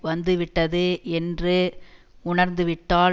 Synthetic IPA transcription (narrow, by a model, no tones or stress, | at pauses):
ʋɐnd̪ɯʋɪʈːɐðɯɛndrɯ | ʊɳɐɾnd̪ɯʋɪʈːaː